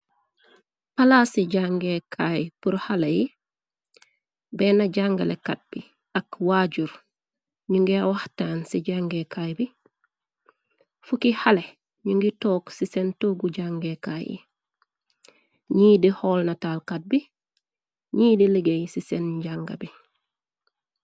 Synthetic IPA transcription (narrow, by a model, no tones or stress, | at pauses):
palasiɟaŋɡekʰajpuɾhaleji | beːnaɟaŋɡa̰lekat̚b̥i | akwaɟuɾ | ɲuŋɡiawahtaːnsiɟaŋɡekajbi | fukihale | ɲuŋɡitoːksisentoːɡuɟaŋɡekaːjḭ | ɲiːdihoːlnatalkat̚bi | ɲiːdiliɡejsisenɟaŋɡa̰bi